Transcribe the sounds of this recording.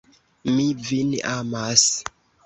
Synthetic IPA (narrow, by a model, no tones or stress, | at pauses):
mivinamas